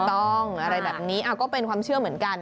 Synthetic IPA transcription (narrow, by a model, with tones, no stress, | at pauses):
t̪ɔ˥˩ŋʔa˧ɾa˧jbɛː˨˩p̚niː˦˥ʔaː˨˩wkɔː˥˩pe˧nkʰwaː˧mt͡ɕʰɯ˥˩əmɯ˩˦ənka˧n